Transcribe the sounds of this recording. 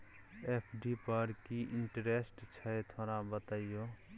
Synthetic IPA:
epʰɖipəɾkiɪɳʈɾesʈt͡ʃʰət̪ʰoːɾabət̪aːijo

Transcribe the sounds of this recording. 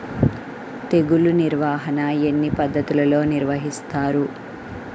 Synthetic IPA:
t̪e̞ɡuluniɾʋaːɦɐnɐenːipɐd̪ːɐt̪ulɐlo̞ːniɾʋɐɦist̪aːɾu

